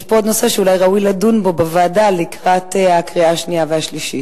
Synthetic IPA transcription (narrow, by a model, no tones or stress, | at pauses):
ʃpood̪no̞se̞ʃeulajʁaujladunbo̞bavaːdalikʁat̪ehakʁiaʃniavehaʃliʃit